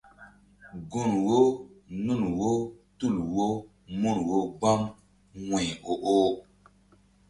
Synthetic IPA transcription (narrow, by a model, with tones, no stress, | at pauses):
ɡu˦˨nwo˦nu˦˨nwo˦ | tu˦˨lwo˦ | mu˦˨nwo˦ɡ͡ba˦ŋ | wɛ˨o˨ʔo˦